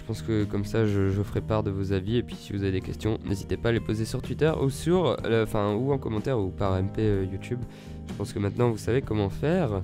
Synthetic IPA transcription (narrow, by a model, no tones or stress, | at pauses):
ʒəpɑ̃skəkɔmsaʒəʒɔfχɛpaʁd̪əvozaviepɥisivuzaved̪ekʲɛ̰st̪jɔ̃nʔḛzit̪epaːlepozesyʁt̪wit̪œʁṵsyʁɑ̃fɛ̃uɑ̃kɔmɑ̃t̪ɛʁupaʁɛmpeøjut̪ʰyb | ʒ̥əpɑ̃skəmɛ̃t̪nɑ̃vusavekɔmɑ̃fɛːʁ